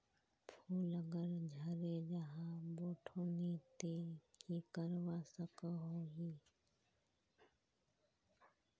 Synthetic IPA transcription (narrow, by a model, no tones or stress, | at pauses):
pʰuːləɡəɾd͡ʒʱəɾeːd͡ʒəɦãːboːʈʰoːniːt̪eːkiːkəɾʋaːsəkəɦoːɦiː